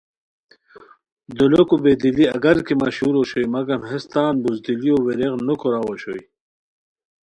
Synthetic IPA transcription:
d̪ulokubed̪iliɐɡɐɾkimaɕuːɾoɕojmaɡɐmhest̪aːnbuzd̪ilioweɾeɣnukoɾaːwoɕoj

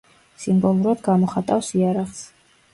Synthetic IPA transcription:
simbɔlˠuɾad̪ɡamɔχat̪ʼafsiaɾaʁs

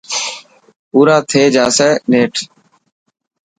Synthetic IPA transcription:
puːɾaːt̪ʰeːd͡ʒaːsɛneːʈʰ

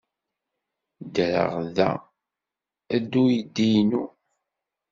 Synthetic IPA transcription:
d̪ɾə̰ʁðæ̰ | æd̪ːujd̪ijnu

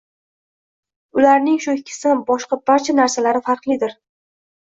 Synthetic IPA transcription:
ʊlaɾnɪŋʃʊkʲʰɪ̥sɪbɒʃqɑbaɾt͡ʃʰanaɾsalaɾɪfaɾqlˠɪd̪ɪɾ

